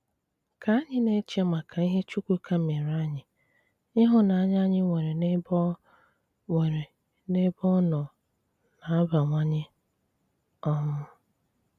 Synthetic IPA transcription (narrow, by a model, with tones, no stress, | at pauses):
ka˨a˦ɲɪ˦ne˦t͡ʃe˦ma˨kʰa˨i˦ɦe˦t͡ʃu˦kʷu˦kʰa˦me˨ɾa˦ɲɪ˨ | ɪ˦ɦʊ˦na˨a˦ɲ˦a˦ɲɪ˦ŋʷe˨ɾe˨ne˦b | e˨ɾe˨ | ne˦bɔ˦nɔ˨ | na˨˦a˦ba˨ŋʷa˦ɲɪ˦ | ɔ˦mʊ˦